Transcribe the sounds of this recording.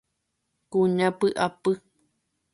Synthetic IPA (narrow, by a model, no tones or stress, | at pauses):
kuɲãpɨʔapɨ